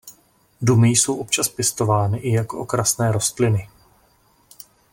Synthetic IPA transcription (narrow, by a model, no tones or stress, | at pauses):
dumɪjso̞wʔo̞p̚t͡ʃaspjɛst̪o̞vaːnɪʔɪjakoʔo̰kɾasnɛːɾo̞st̪lɪnɪ